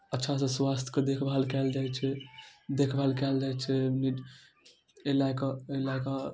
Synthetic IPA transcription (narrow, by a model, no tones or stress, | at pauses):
ətːʃʰas̬ẽswast̪ʰked̪ekʰbaɦəlkɛld͡ʒajt͡ʃʰɛd̪ekʰbalkɛld͡ʒajt͡ʃʰɛni | elakalaka